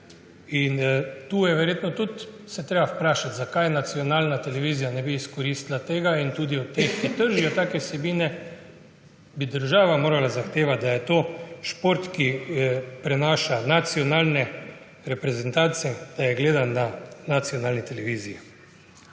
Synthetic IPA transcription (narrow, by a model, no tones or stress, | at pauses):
int̪uːjɛʋɛɾjeːt̪nɔt̪ut̪ | sɛt̪ɾeːbawpɾaːʃat̪zakajnat̪siɔnaːlnat̪ɛlɛʋiːzijanɛbiːskɔɾiːst̪lat̪eːɡaint̪uːd̪iɔt̪ːeːxkit̪əɾʒijɔt̪aːkɛwsɛbiːnɛ | bid̪əɾʒaːʋamoːɾalazaxt̪eːʋat̪d̪ajɛt̪oːʃpoɾt̪ki | pɾɛnaːʃanat̪siɔnaːlnɛ | ɾɛpɾɛzɛnt̪aːt̪sijɛd̪̥ajɛɡleːd̪ananat̪sijɔnaːlnit̪ɛlɛʋiːziji